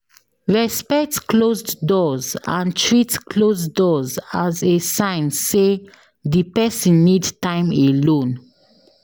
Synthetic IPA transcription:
ɹɛspɛk̚tklozdɔzãntʰɹitklozdɔzazesãɪ̃nse | dipɛsĩnːidtãɪ̃melõn

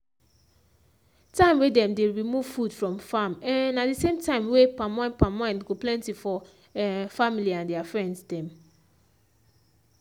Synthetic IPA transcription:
tãɪ̃mwedɛ̃mdeɹimuv̥fudfɹɔ̃mfamɛ̃adisẽmtʰãɪ̃mwepãmãnpãmãɪ̃ndɡoplɛ̃ntifɔ | familiãndɛafɹɛ̃ndsdɛ̃m

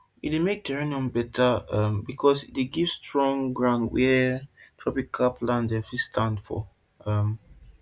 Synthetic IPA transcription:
ḭtdemek̚tɛɹeniɔ̃mbɛtʰaambikʰɔsideɡiv̥stɹɔ̃ŋɡɹãʊ̃ndwɛtʰɹɔpikʰːaplãndɛfistʰãndfɔ̰ | am

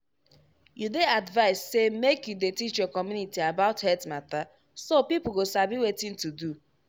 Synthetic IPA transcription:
judeadvaɪsːemekjudetit͡ʃjokɔmjunitiabaʊthɛtmata | sopipl̩ɡosabiwetĩntudu

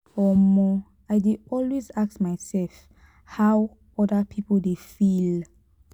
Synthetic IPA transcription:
ɔmɔ | ajdeɔlwezak̚tmaɪsɛlf | haw | ɔdəpʰipəldefil

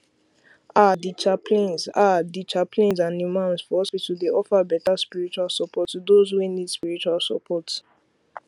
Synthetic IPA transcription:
adit͡ʃapʰlẽnzadit͡ʃapʰlẽnzãnimãʊ̃nsfɔhɔspitudeʔɔfabɛtaspiɹit͡ʃualsɔpʰɔtudozwenidspiɹit͡ʃualsɔ̰pʰɔts

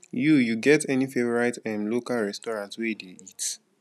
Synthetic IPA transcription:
jujuɡɛtɛnifevɔɹaɪtɛ̃mlokalɹɛstɔɹãntwedeit

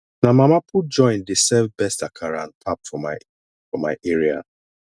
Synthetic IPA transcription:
namamapʰud͡ʒɔ̃ɪ̃ndesɛvbɛstakʰaɾanpʰapfɔm | fɔma̰ɪʔeɹia̰

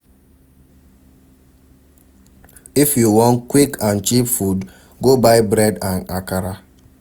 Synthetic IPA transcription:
ifjuwɔ̃nkwikʰãnt͡ʃipfud | ɡobaɪbɾɛdãnakaɾa

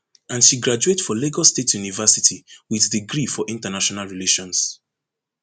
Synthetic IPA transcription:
ãnʃiɡɹad͡ʒuetfɔleɡɔstetʰjunivɛsitʰiwiðdiɡɹifɔʔĩntənaʃɔnalɹileʃɔ̃ns

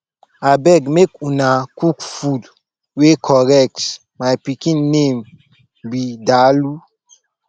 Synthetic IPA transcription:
abɛɡmekunakukfud | wekʰɔɾɛk̚t | majpikĩnːẽm | bidalu

